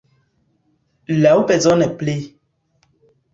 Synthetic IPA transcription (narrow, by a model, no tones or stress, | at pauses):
laupɛzɔnɛple